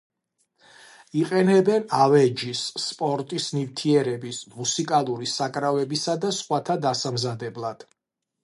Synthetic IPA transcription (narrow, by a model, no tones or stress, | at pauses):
iqʼɛnɛbɛnavɛd͡ʒisːpʼɔɾt̪ʼisnivt̪ʰiɛɾɛbismusikʼalˠuɾisakʼɾavɛbisad̪asχwat̪ʰad̪asamzad̪ɛblˠad̪̥